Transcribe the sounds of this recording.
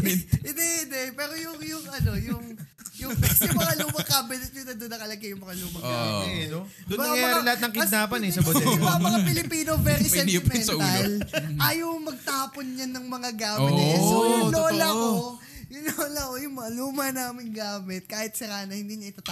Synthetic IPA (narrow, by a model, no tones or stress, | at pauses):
ɪd̪ɛɪd̪ɛpɛːɾo̞jʊŋjʊŋʔɐno̞jʊŋ | jʊpɛsʊmɐŋɐluːmɐkaːbɪnt̪̚ɲʊnɐd̪onːɐkɐlɐɡɐjʊŋmɐŋɐluːmɐkano | ʊnbɐk̪ŋaŋɐmɐaːɾɾɪlɐhat̪nɐŋkɪd̪̚naːpɐnɛsɐbɐd̪ʊmɐŋamɐapɪlɪpiːnovɛɾisɛmɛnɐlʔaːjoŋmɐɡ̚t̪aːponɲɐnɐŋmɐŋaɡaːmoɪt̪nɐɐsoʊlolɐko | jʊlolɐkojʊŋmɐŋaluːmɐnaːmɪnɡaːmɪt̪̚kaːhɪt̪̚sɐɾaːnɐhɪnd̪iːɲɐɪt̪aːt̪